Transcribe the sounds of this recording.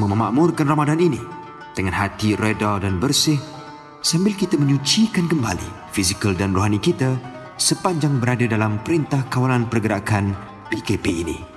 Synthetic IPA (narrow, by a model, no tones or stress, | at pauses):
məməma̰ʔmʊrkanramadanini | d̥əŋanɦat̪iredadanbərsɪh | sambɪlkit̪amə̃ɲut͡ʃikankəmba̰lḭ | fizikəldanroɦanikit̪a | səpaɲd͡ʒaŋbəɾadadalampəɾint̪ahkawalanpərɡəɾakan | bekepeinḭ